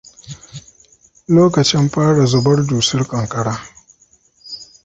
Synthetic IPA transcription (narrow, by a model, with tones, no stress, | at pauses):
loː˦kɐ˨t͡ʃɪ˦mɸaː˦ɽa˨zʊ˨bɐ˦rduː˨sɪ˦rkʼɐ˨ŋkʼɐ˨ɽaː˦